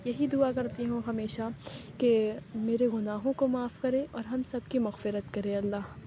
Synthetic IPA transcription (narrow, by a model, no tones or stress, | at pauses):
jɐɦid̪ʊakɐɾt̪iɦũɦɐmeːʃakemeːɾeɣʊnaːɦõkomaːfkɐɾẽʔɔːɾɦɐmsɐb̚kimɐɣfɪɾət̪kɐɾẽɐlːaːɦ